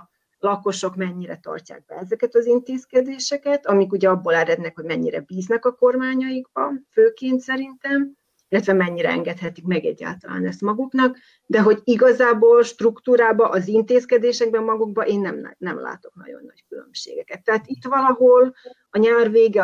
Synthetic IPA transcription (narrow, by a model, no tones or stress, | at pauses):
lɒko̞ʃo̞kmɛɲːiɾɛt̪ɒ̰rca̰ːɡ̚bɛ̰ɛzɛkɛt̪ɒzint̪eːskɛd̪eːʃɛkɛt̪ɒmikuɟɛɒbːoːlɛɾɛd̪nɛkho̞ɟmɛɲːiɾɛ̰biːznɛkɒko̞rmaːɲɒjiɡbɒføːkeːnt̪sɛɾint̪ɛm | ilːɛt̪vɛmɛɲːiɾɛɛ̰ŋɡɛt̪hɛt̪ikmɛɡɛ̰ɟːa̰ːlt̪ɒla̰ːnɛst̪mɒɡuknɒk | d̪ɛɦo̞ɟiɡɒzaːboːlʃt̪rukt̪uːɾaːbɒʔɒzint̪eːskɛd̪eːʃɛɡ̚bɛmːɒɡuɡ̚bɒʔeːnːɛm̰nɛmla̰ːt̪o̞knɒ̰ɟo̞̰nːɒ̰ckylø̰mʃḛːɡɛkɛt̪ːɛɦaːt̪it̪ʋɒlɒɦo̞l | ɒɲaːrveːɡɛ